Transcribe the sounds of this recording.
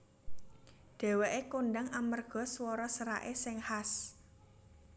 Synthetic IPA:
d̥e̤weʔekonɖaŋamərɡ̥ɔ̤swɔɾɔsəɾa̰ʔesɪŋhas

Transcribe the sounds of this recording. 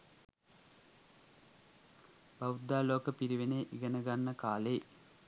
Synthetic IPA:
bɐwud̪ːaːloːkəpiɾiʋeneːʔiɡɐnɐɡanːɐkaːleː

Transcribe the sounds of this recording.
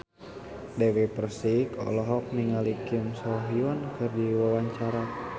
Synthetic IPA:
dɛwipərsikɔ̰lɔɦɔk̚niŋalikimsɔɦiɔnkʰɨrdiwawaɲt͡ʃaɾa

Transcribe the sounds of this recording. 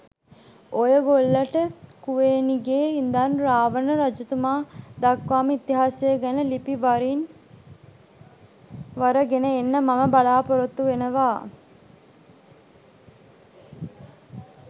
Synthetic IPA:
ʔojəɡolːɐʈəkuʋeːniɡeːind̪anɾaːʋənəɾɐd͡ʒut̪umaːd̪akʋaːməit̪iɦaːsejəɡænəlipiʋaɾin | ʋaɾəɡenəenːəmaməbalaːpoɾot̪ːuʋenəʋaː

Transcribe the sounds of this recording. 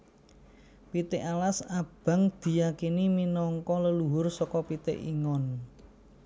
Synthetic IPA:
pit̪ɪʔalasab̥a̤ŋd̪̥i̤jakiniminɔŋkɔləluɦʊrsɔkɔpit̪ɪ̰ʔḭŋɔn

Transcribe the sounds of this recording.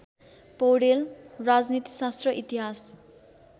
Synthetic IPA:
powɽelrad͡znit̪i̥sast̪rʌʔit̪iɦas

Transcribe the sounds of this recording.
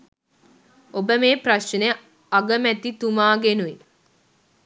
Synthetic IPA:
obəmeːpraʃne | aɡəmæt̪it̪umaːɡenuʋi

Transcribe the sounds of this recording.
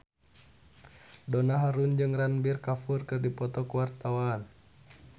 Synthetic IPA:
dɔnaɦaɾund͡ʒɨŋranbirkafurkɨrdipɔt̪ɔkuwart̪awaːn

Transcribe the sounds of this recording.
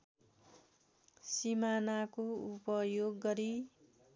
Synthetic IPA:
simanakoupʌjoɡːʌɾi

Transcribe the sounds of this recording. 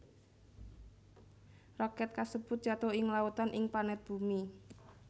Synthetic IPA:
rɔkɛt̪̚kasəb̥ʊt̪̚d͡ʒ̥at̪oɪŋlaut̪anʔɪŋpanɛt̪̚b̥umi

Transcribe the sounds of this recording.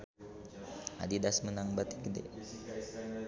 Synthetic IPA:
a̰didasmənaŋbat̪ikədḛ

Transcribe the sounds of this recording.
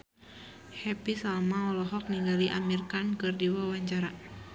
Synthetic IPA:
hɛpisamaɔlɔɦɔk̚niŋɡaliʔamirkankɨrdiwawaɲt͡ʃaɾa

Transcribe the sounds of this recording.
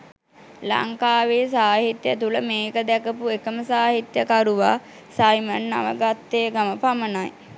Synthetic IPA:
la̰ŋkaːʋeːsaːɦit̪jət̪uləmeːkəd̪ɛkəpuekəməsaːɦit̪jəkaɾuʋa̰ː | sajmənːa̰ʋə̰ɡat̪ːeːɡaməpamənaj

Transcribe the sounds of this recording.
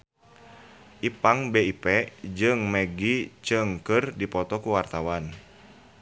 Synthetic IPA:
ʔipaŋbeipɛd͡ʒɨŋmɛɡit͡ʃɨŋkɨrdipɔt̪ɔkuwart̪awan

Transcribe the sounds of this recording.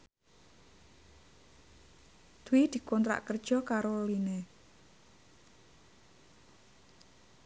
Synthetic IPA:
d̪̥uwid̪̥i̤kɔnt̪ɾa̰ʔkərd̥ʒ̥ɔ̤kaɾoline

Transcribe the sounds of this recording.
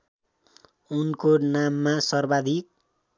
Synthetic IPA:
unkonamːasʌrbad̪ʱik̚

